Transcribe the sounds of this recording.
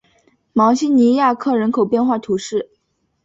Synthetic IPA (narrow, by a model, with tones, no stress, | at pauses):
mɑ˧˥ŋɕi˥ni˧˥ja˥˧kʰɤ˥˩ɻə˧˥nkʰo˨˩ʊpjɛ˥˧nxwa˥˩t̪ʰu˧˥ʂɻ̩˥˩